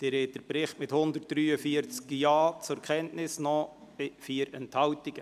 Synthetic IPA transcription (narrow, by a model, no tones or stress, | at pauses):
d̪̥ɛɾeːt̚d̥əɾpɾɪχtmɪthʊndərt̚d̥ɾyːəfiəɾt͡skjaːt͡sʊɾkʰχɛntnɪsnɔ | bɪfiːəɾɛnthɑwtɪɡ̥ə